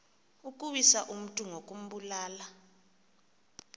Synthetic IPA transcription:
ukʼuɓisaʔum̩tʼuŋokʼum̩ɓulaːla

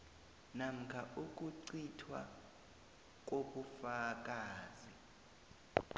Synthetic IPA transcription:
nam̩kʰaʔuk̬ʼuǀitʰwa̰ | k̬ʼoɓufak̬ʼaːzi

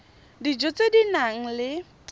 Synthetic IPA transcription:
did͡ʒot͡sʼedinaŋ̩lɪ

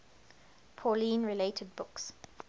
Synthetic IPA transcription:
pʰɔlĩːnɹɪleɪtʰəd̚bʊks

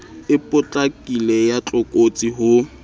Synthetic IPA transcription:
ɪpʼʊt͡ɬʼakʼilɛjat͡ɬʼʊkʼot͡sʼiɦʊ

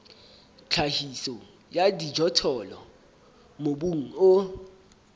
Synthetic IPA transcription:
t͡ɬʰahisɔ | jadʱidd͡ʒʱɔtʰɔlɔ | moɓuŋ̩o

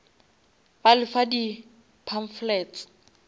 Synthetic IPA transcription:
balɪfadi | pʰaɱ̩flɛːt͡s

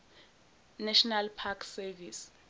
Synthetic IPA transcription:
nɛʃɔnalpʰaksɛvis

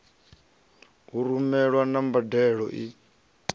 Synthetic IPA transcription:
ɦuɾumɛɺwanambadɛɺɔ̰ʔi

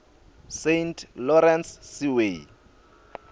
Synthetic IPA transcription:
sentʰlɔɾɛnssiwe

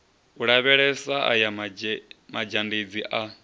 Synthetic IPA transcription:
uɺaβɛɺɛsaʔa̰ja | mad͡ʒanded͡ziʔa

